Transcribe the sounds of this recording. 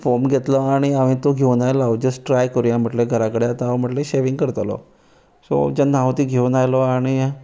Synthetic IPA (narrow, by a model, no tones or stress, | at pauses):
fomɡɛt̪lɔaɽ̃iaʋĩt̪oɡʱewnajlaod͡ʒəsʈɾajkəɾujãməʈleɡʱəɾãkəɽjat̪aməʈleʃeʋĩŋɡkəɾt̪əlɔ̰ | so̰d͡ʒənãʋt̪iɡʱeunajlɔaɽ̃i